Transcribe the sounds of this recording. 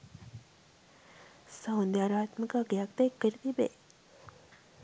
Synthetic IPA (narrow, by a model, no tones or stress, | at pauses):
sawnd̪jaːɾaːt̪məkaɡjakt̪ekːəɾit̪ibḛ